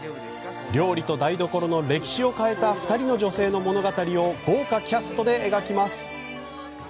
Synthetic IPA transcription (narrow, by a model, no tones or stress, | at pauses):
ɾʲo̞ːɾʲit̪o̞d̪aid̪o̞ko̞ɾo̞no̞ɾe̞kʲi̥ɕio̞kae̞t̪aɸɯ̟̥t̪aɾʲino̞ʑo̞se̞ːno̞mo̞no̞ɡat̪aɾʲio̞ɡo̞ːkakʲasɨ̥t̪o̞d̪e̞eɡakʲimasɨ̥